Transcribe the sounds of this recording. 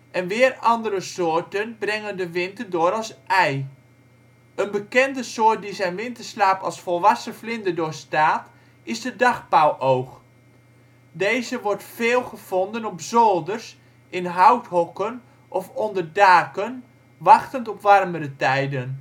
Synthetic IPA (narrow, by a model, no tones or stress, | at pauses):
ʔɛnʋɪːrɑndəɾəsoːɹtənbrɛŋəndəʋɪntərdoːɾɑlˠsʔɛj | ənbəkɛndəsoːt̚dizɛjnʋɪntəɹslaːpɑ̰lˠsfɔlˠʋɑsəflɪndədʊːɹstaːt | ɪsdədɑχpawʔowχ | dejzəʋɔɹtfeːlˠχəv̥ɔndənɔpzoːlˠdərs | ʔɪnɦawtɦɔkən | ʔɔfɔndərdaːkən | ʋɑχtəntɔpʋɑrmədətɛjdən